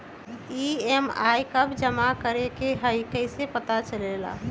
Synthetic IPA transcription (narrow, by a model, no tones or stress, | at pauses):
iema̰ːikəbd͡ʒəmakəɾekeɦəikəɪsepət̪at͡ʃəleːla̰ː